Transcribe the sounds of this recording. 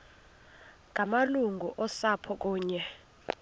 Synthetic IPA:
ŋʱamaluŋɡʱuʔɔsapʰɔk̬ʼuːɲɛ

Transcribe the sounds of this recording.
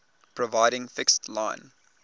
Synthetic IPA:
pʰɹəvaɪɾɪ̃ŋfɪkstlãɪ̃n

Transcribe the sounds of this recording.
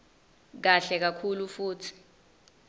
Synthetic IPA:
k̬aɬɛk̬akʰulufuːtʰi̥

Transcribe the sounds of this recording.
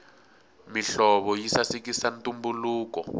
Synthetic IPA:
miɬɔβɔjisasik̬isantumbuluːkɔ̰

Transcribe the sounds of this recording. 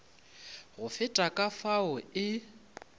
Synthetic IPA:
ɣʊfɪtʼakʼafaʊɪ

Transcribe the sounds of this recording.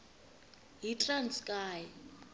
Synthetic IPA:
ɦitʼranskʼaːjɛ

